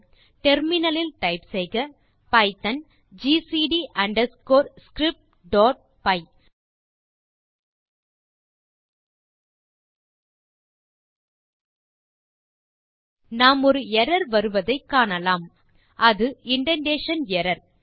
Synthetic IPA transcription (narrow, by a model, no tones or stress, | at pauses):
ʈɛɾmɪnɐlɪlʈ̪ɐɪpsɛɪɣɐ | pɐɪt̪ɐn | d͡ʒiːsiɖiʔɐɳɖɐskoːɾskɾɪp̚ʈ̚ | ɖoːʈ̚ | pɐɪ | naːmɔɾɯɛɾɐɾʋɐɾɯʋɐðɐɪkːaːɳɐlaːm | ʔɐðɯɪɳɖɐnɖeːʂɐnɛɾɐɾ